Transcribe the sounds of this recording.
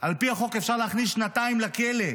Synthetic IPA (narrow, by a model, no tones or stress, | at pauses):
ʔalpiaχo̞ke̞fʃaʁleːχnisʃnat̪aimlakele